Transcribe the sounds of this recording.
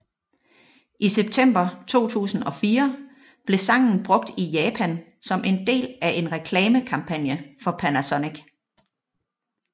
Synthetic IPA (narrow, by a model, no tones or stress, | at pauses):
ʔiseb̥̚t͡sʰem̰b̥ɐt͡sʰo̝̰ːt͡sʰṵːsn̩ɒ̽fiːɐ | b̥le̝sɑ̈ŋ̰n̩b̥ʁɔ̽ɡ̥̚d̥ijɛːpʰæn | sɒ̽mʔe̝nd̥e̝̰ːlæʔe̝nʁɛkʰlɛːməkʰɑ̈mpʰæn̰jəfɒ̽pʰænæsɒneɡ̥